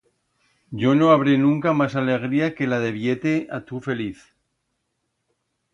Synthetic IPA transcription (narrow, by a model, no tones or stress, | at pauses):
ɟ͡ʝo̞no̞aβ̞ɾenũŋkamasale̞ɣ̞ɾiake̞lað̞e̞βje̞t̪eʔat̪ufe̞liθ